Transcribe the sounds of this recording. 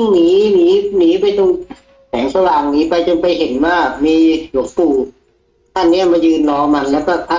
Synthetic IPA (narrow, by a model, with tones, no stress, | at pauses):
ŋniː˦miː˦˥niː˦˥pa˧jt̪o˧ŋ | sɛ̰ː˩˦ŋsa˧waː˨˩ŋniː˦˥pa˧jt͡ɕo˧npa˧jɦe˨˦nwaː˥˩miː˧lu˩˦ŋ̚puː˨˩ | t̪ʰa˧˥˩nːi˦˥ɐmaː˧jɯː˧nlɔː˧ma˧nlɛː˦˥wkɔː˧˩pʔʰa˧˩